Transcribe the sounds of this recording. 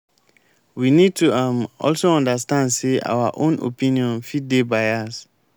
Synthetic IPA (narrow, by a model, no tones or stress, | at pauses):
winid̚tuamɔ̰lsoɔ̃ndastãndsea̰waʔõno̰pĩniɔ̃nfiddebajas